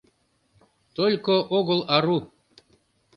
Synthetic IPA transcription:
t̪olʲkoʔoɣolˠaɾu

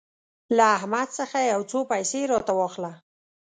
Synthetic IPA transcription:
laːhmad̪səxajawt͡sopajseɾɑt̪awɑxla

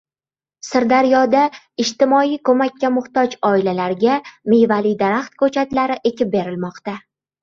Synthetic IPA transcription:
sɪɾd̪aɾjɒd̪a | ɪʃt̪ɪmɒijkʰɵmakʲːamʊχt̪ɒd͡ʒɒɪlalaɾɡʲamejvalid̪aɾaχt̪̚kʰɵt͡ʃʰat̪laɾɪʔe̞kʲɪp̚be̞ɾɪlmɒqt̪a

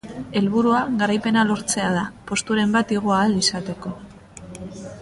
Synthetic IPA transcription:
e̞lβ̞uɾuaɣaɾajpe̞nalo̞ɾt͡se̞að̞apo̞st̪uɾe̞mbat̪iɣ̞oaːlisat̪e̞ko̞

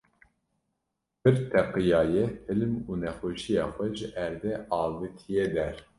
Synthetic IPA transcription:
pɨɾt̪ʰɛqɨjɑːjɛhɨlmuːnɛxʷoʃijɑːxʷɛʒɨʔæɾd̪ɛʔɑːvɨt̪ʰijɛd̪ɛɾ

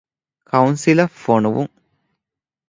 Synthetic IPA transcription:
kɐwnsilɐfonuʋṵm

